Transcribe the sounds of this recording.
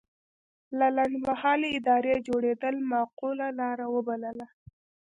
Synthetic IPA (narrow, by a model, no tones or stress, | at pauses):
lalaɳɖmahɑleɪd̪ɑɾed͡ʒoɽed̪əlmaqulalɑɾawəbaləla